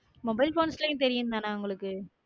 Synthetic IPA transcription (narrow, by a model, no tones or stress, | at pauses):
mɔbɐɪlfoːnslɐjʊ̃t̪ɛɾɪjɯnd̪aːnaːʊŋɡɐɭɯkːɯ